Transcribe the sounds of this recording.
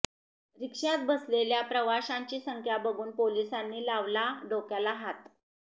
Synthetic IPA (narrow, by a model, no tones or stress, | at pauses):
ɾikʂat̪̚bəsleljapɾəʋaɕãɲt͡ɕiːsəŋkʰjabəɡuːnpolisanːiːlaʋlaɖokjalaɦat̪